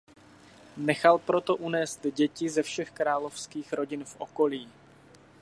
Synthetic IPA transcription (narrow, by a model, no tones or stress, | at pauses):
nɛxalpɾo̞t̪o̞ʔunɛːst̪ɟɛcɪzɛfʃɛxkɾaːlofskiːxɾo̞ɟɪnfʔokoliː